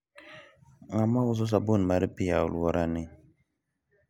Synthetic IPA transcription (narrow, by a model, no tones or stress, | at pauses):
ŋamawuz̬ɔs̬abonmaɾipijaṵlwɔɾani